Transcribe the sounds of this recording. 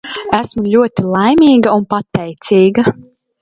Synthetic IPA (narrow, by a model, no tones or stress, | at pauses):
æsmulʲuɔt̪ilˠajmʲiːɡɐunpat̪ːɛjt̪siːɡɐ